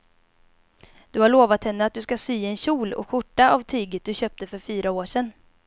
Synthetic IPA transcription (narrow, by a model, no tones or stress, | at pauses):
d̪̥ɵhaɭoːvat̪hɛnːəat̪̚d̪ɵskasyːɛnɕuːlɔ̰ɧʊʈːaavt̪ʰyːɡət̪̚d̪ɵɕœːp̚t̪əfœɾfyːɾaoːʂɛnː